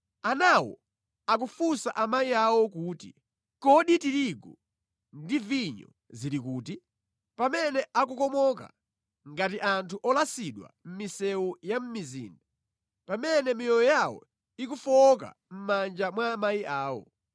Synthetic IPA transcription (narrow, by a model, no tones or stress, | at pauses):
anawɔ̰ | ak̬ufusaʔamaiawɔkuːtḭ | kɔɗitiɾiɡɔ | ndiviɲɔ̰ | ziɾik̬uːti | pamɛnɛʔak̬ukɔmɔk̬a̰ | ŋɡatiʔantʰuʔɔlasiɗwa̰m̩misɛujam̩mizḭːnda | pamɛnɛmijɔjɔjawɔ̰ | ik̬ufɔk̬a̰ | m̩mand͡ʒamwaːmaiʔaːwɔ̰